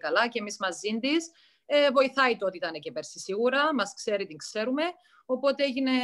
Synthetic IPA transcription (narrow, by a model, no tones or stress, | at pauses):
kɐlɐcemizmɐzːind̪is | evo̞iθɐit̪eot̪it̪ɐne̞cepeɾsisiɣuɾɐmɐskse̞ɾit̪iŋkse̞ɾume̞ | o̞po̞t̪eeʝine̞